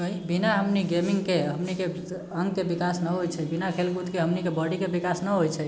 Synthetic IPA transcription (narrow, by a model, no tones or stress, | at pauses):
əɦibinaɦəmniɡemiŋɡkeɦəmnike | əŋɡkebikasnəɦojt͡ʃʰɛbinakʰelkut̪keɦəmnikebəɽikebikasnəɦojt͡ʃʰɛ